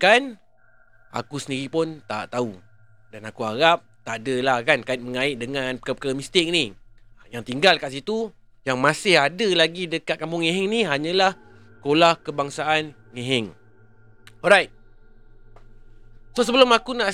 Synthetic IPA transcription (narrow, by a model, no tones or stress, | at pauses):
kan | ʔa̰kusəndiɾipʊnt̪a̰ʔt̪au | danakuaɣap̚t̪aʔadəlahkankaɪt̪̚məŋaɪʔ̪̚dəŋanpəkəpəkaɣəmĩst̪ɪk̚nijaŋt̪iŋɡalkaʔsit̪u | jaŋmasɪhadəlaɡidəkat̪̚kampʊŋːẽɦɪŋniɦaɲãlah | kolahkəbaŋsaan | ŋeɦɪŋ | ɔɾajt̪̚ | sos̬əbəlʊmakunaʔ